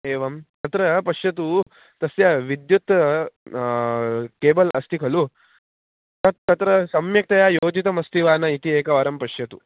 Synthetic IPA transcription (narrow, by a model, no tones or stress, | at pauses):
eːʋɐmt̪ɐt̪ɾɐpɐʂjɐt̪̬u | t̪ɐsjaʋid̪jut̪ | keːbɐlɐst̪ikʰɐlu | t̪ɐːɐt̪ɾɐsɐmjɐk̚t̪ɐjajoːd͡ʒit̪ɐmɐst̪iʋaːnɐit̪ieːkɐʋɐɾɐmpɐʂjɐt̪u